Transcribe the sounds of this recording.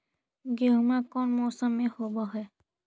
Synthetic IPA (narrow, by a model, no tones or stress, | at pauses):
ɡeɦmakɔnmɔːsəmːẽhobɔɦɔj